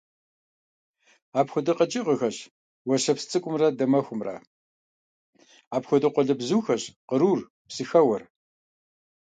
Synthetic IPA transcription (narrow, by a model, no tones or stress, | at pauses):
aːpxʷʊdɨqət͡ʃʼɪʁəxɐʑ | wɔɕɐpst͡sʼɨkʷʼʊmrɐdɐmɐxʷʊmrɐ̰ | aːpxʷɔdɨqʷɔɮɐbzuːxɐʑqəɾuːr | psɨxɐwɐr